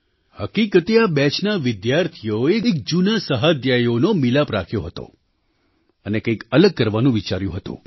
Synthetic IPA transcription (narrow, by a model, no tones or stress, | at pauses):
həkikət̪eabɛt͡ʃnaʋɪd̪jaɾt̪ʰijoeek̚d͡ʒunasəɦad̪jajonomilapɾa̰kʰjoɦət̪o̰ | ənekəjkələɡ̚kəɾʋanũʋit͡ʃaɾjṵ̃ɦət̪ṵ̃